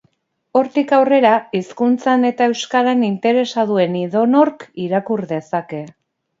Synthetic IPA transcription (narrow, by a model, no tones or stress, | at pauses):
o̞ɾt̪ikawre̞ɾaiskunt͡sane̞t̪ae̞wskaɾanint̪e̞ɾe̞saðue̞niðo̞no̞ɾkiɾakuɾðe̞sake̞